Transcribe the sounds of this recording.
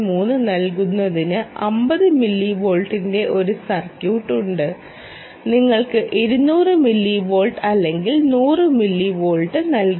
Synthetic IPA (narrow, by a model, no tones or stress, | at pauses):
muːnːɨnɐlkunːɐðinɨɐmbɐðɨmilːibo̞ːɭʈːinde̞ʔo̞ɾusɐrkjuːʈːuɳɖɨ | niŋːɐɭkɨʔeɾunuːrɨmilːibo̞ːɭʈɐlːe̞ŋɡilnuːrɨmilːibo̞ːɭʈːɨnɐlk